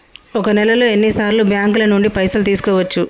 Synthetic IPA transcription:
ɔkɐnɛlɐloːe̞nːisaːɾlubjaːŋklɐnuɳɖipɐjsɐlt̪̬iːsu̥kɔːʋɐt͡ʃːu

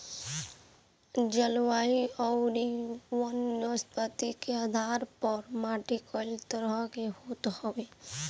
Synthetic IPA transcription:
d͡ʒəlwaːiɔʊɾiwənːəspət̪ikeaːd̪ʱaːɾpəɾmaːʈikɔːlt̪əɾəkehoːt̪howeː

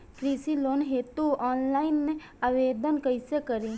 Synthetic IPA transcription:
kɾisiloːnɦeːt̪uʔɔːnlaɪnːe | aʋeːd̪ənkəjsekəɾi

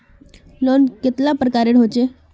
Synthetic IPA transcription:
lonket̪lapɾəkaɾeɽ̤ʱɦot͡ɕe

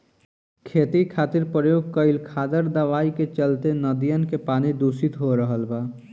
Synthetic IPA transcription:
kʰet̪ikʰaːt̪iɾpɾəjoːɡ̚kəɪlkʰaːd̪əɾd̪əʋaːiket͡ʃəlt̪enəd̪ijənkepaːnid̪usit̪ɦoɾəɦəlba

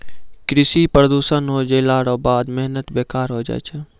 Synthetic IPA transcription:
kɾɪsipɾəd̪uːʃənɦod͡ʒeːlaːɽoːbaːd̪mɛɦnət̪beːkaːɾɦod͡ʒa̰ːt͡ʃʰɛ

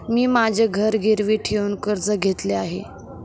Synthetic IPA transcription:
miːmad͡ʑʱeɡʱəɾɡʱeɾʋiːʈʰeuːnkəɾd͡zəɡʱet̪leaɦḛ

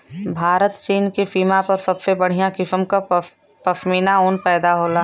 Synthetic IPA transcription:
bʱaːɾət̪t͡ʃiːnkifiːmapɐɾsɐbfebəɽ̤ijãkɪfəmka | pəfmiːnaoːnpɛːd̪aɦoːlaː

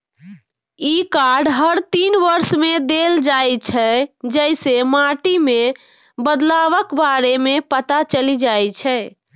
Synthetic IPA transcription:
ikaɾɖɦəɾt̪inʋəɾsmed̪eld͡ʒajt͡ʃʰɛd͡ʒəjsemaʈime | bəd̪laβəkbaɾemepət̪at͡ʃəlid͡ʒajt͡ʃʰɛ

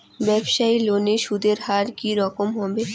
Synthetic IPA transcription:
bɛbʃailoneʃud̪ʱeɾhaɾkiɾɔkomɦɔbe

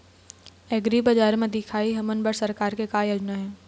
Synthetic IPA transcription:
eːɡɾiːbɐd͡ʒaːɾmẽd̪ɪkʰaːiɦɐmənbəɽsɐɾkaːɾkekaːjɐd͡ʒnəɦɛ̃ː

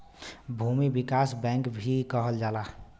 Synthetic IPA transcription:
bʱumibikasbɛ̃ŋkbʱikəɦəld͡ʒaːla

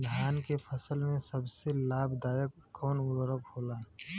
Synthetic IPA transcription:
d̪ʱjaːnkepʰəsəlmẽsəbselaːbd̪aːjəkːɔːnʊd̪ɾəkɦoːlaː

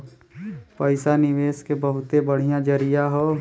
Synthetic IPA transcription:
pəɪsanɪʋeːʃkebəɦʊt̪ebəɽ̤ijãd͡ʒəɾijaɦoː

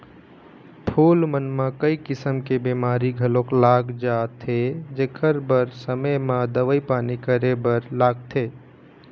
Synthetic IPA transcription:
pʰoːlmənmãkəikɪsəmkebemaːɾiɡʱəlõklaːɡd͡ʒaːt̪ʰed͡ʒeːkʰəɾbəɾsəməmãd̪əʋəipaːnikəɾebəɾlaːɡ̚t̪ʰeː

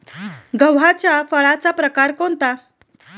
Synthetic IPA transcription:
ɡəwɦat͡ɕjafəɭat͡sapɾəkaɾkont̪a

